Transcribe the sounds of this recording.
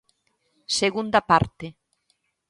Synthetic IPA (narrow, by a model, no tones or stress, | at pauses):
seɣund̪apaɾt̪e